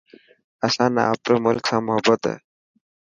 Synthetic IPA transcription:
əsãːnə̰a̰ːpɾoːmʊlksãːmʊɦəbːət̪ɦɛ̰ː

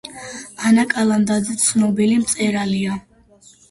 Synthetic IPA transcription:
anakʼalˠand̪ad̪zɛt̪sʰnɔbilimt̪sʼɛɾalia

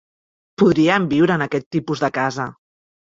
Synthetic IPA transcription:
puðɾiəmbiwɾəːnəkɛt̪ːipuzðəkazə

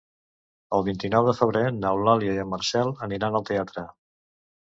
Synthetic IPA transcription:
əlˠβint̪inɔwðəfəβ̞ɾenawlaljəjəməɾsɛlˠəniɾanəlˠt̪eat̪ɾə

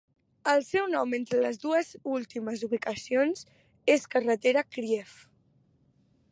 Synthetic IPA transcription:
əlˠsɛwnɔment̪ɾələzðuəzulˠt̪iməzuβikəsionz | eskərət̪eɾəkɾiɛf

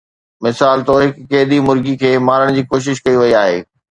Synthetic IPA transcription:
mɪsaːlt̪oɦɪkːeːd̪imʊɾɡikʰeːmaːɾəɽ̃d͡ʑiːkoːʃ̬ɪʃkɐiʋɐiaːɦḛː

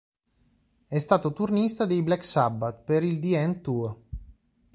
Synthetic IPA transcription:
ɛst̪aːt̪ot̪urnist̪ad̪ejblɛksabːat̪peɾild̪iɛnt̪ur

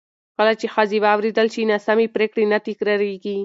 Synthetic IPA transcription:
kəlat͡ʃexaziwɑːwɾed̪əlʃinasamepɾekɽenat̪ɪkɾɑɾeɡi

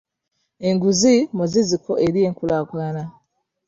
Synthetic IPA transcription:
e̞ŋɡuzimuzizikʰoʔeɾije̞ːŋkulaːkulana

